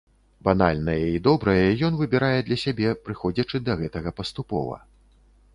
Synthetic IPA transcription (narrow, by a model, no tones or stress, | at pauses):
banalʲnɐjɐid̪ɔbɾɐjɐɐjɔnvɨbʲiɾajɛd̪lʲɐsʲabʲɛpɾɨxɔd͡zʲɐt͡ʂɨd̪ɐɣɛt̪ɐɣɐpɐst̪upɔ̰vɐ̰